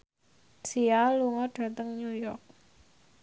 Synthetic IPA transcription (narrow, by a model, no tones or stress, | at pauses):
sialuŋɔɖ̥a̤t̪əŋnujɔrk̚